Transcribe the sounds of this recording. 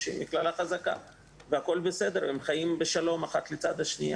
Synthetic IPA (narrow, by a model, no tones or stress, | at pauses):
ʃḭmbiklalaχazaka̰ | veako̞lbesed̪eɾemχajimbeʃalo̞maχat̪let͡sad̪aʃnija